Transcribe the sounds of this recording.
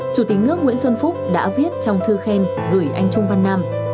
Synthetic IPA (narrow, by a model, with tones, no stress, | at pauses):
t͡ɕu˧˩t̪ï˨˦k̚nɨ˦˥ək̚ŋwḭ˧˥ənswə˧nfʊ˦˥k͡p̚ɗa̰ː˧˥vi˦˥ət̚t͡ɕɔ˧wŋ͡mt̪ʰɨ˧xe˧n | ɣɨ˧˩jʔa˧jŋ̟t͡ɕʊ˧ŋ͡mva˧nːaː˧m